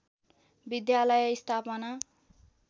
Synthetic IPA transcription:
bid̪jalʌjist̪ʰapʌna

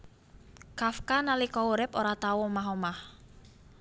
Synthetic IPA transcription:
kafkanalikɔuɾɪpoɾat̪awɔmaɦomah

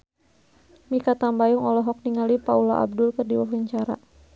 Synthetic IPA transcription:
mikat̪ambajuŋɔlɔɦɔk̚niŋalipaula̰ʔa̰b̚dʊlkərdiwaɦəɲt͡ʃaɾa̰

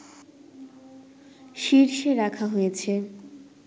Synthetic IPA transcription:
ʃiɾʃeɾakʰaɦojet͡ɕʰe

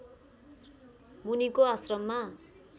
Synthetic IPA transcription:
munikoasrʌmːa

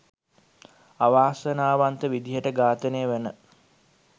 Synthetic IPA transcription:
aʋaːsənaːʋant̪əʋid̪iɦəʈəɡaːt̪əneːʋenə

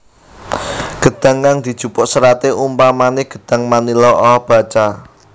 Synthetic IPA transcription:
ɡ̥ə̤d̪̥ä̤ŋkaŋd̪̥i̤d̥ʒ̥ṳpʊʔsəɾat̪eʔumpamanɪɡ̥ə̤d̪̥ä̤ŋmanilɔʔɔb̥a̤t͡ʃa

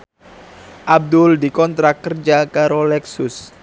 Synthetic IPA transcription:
ʔab̚d̪ʊldikɔnt̪ɾakərd͡ʒakaɾolɛksʊs

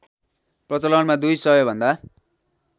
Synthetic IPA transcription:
prʌt͡sʌlʌnmad̪ujsʌjobʱʌnd̪a

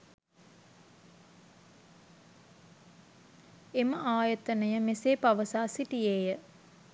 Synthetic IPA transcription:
eməʔaːjət̪ənəjəmeseːpaʋəsaːsiʈijeːjə

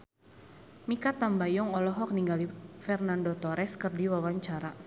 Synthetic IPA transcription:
mikat̪ambajɔŋɔlɔɦɔk̚niŋɡalifɛrnandɔt̪ɔɾɛskərdiwawaɲt͡ʃaɾa

